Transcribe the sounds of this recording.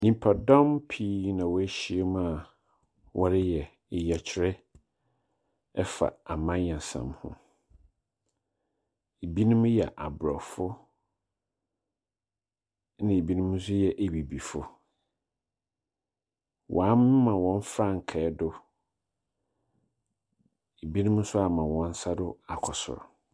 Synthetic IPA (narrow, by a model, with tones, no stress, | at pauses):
nĩ˨m˨pʰa˨dɔ̃˦mpʰiː˦nã˨wɔ˨˦æ˦ɕi˦e˦m̃˦a˨ | wʔɔ˦ɾɪ˦jɛ˨ | jɛ˨t͡ɕʰɪ˨˦ɾɛ˦ | ɛ˦fa̰˨a˨mã˦ɲ˨ã˨sã̰˨mhʊ̰̃˦ | e˨bi˦nʊ̃˦m̃˦jɛ̰˨ʔa˨bɾɔ˨fʊ˦ | nɪ̃˨e˨bi˦nũ˦mũ˦s̬ʊ˦jɛ˨ʔe˨bi˨bi˨fʊ˦ | wʔa˨˦mɪ̃˦mã˨wɔ̃˦n˦fa˦˨ŋ̩˨kʰɛ˨˦dʊ˦ | e˨bi˦nũ˦mʊ̃˦sʊ˦a˨mã˨wɔ̃˨n˦sa˦dʊ˦a˨kʰɔ˨sʊ̰˨ɾ